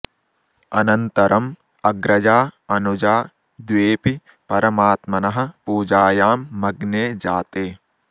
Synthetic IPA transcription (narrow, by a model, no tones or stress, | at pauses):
ɐnɐnt̪ɐɾʔɐm | ɐɡɾɐd͡ʒaːɐnud͡ʒaː | d̪ʋeːpi | pɐɾɐmaːt̪mɐnɐɦɐ̆puːd͡ʒaːjaːmːɐɡneːd͡ʒaːt̪eː